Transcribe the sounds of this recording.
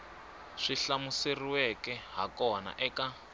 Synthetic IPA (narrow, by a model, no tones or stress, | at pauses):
ʂiɬamuseriwɛkɛɦa̰kɔna̰ʔɛka